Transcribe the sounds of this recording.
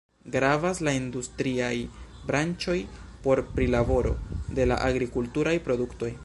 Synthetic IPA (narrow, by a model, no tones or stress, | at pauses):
ɡɾavaslaindustɾiaj | bɾant͡ʃo̞jpo̞ɾpɾilabo̞ɾo̞̰de̞la̰ʔaɡɾikultuɾajpɾo̞dukto̞j